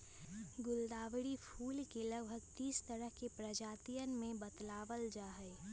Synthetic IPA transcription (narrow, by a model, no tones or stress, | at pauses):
ɡʊld̪aːʋɽipʰuːlkeləɡ̚bʱəɡt̪iːst̪əɾəɦkepɾəd͡ʒaːt̪ijənmẽbət̪laːʋəld͡ʒaːɦə